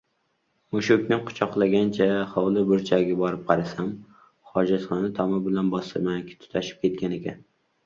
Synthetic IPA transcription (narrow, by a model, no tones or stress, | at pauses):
mʊʃʊkʲnɪqʰʊ̥t͡ʃʰɒqlˠaɡʲant͡ʃʰaχɒwlˠɪbʊɾt͡ʃʰaɡʲɪbɒɾɪp̚qʰɑɾasam | χɒd͡ʒat̪χɒnat̪ʰɒmɪbɪlanbɒsɨɾmankʲʰɪ̥t̪ʰʊ̥t̪ʰaʃɪ̥p̚kʲʰe̞t̪̚kʲane̞kʲan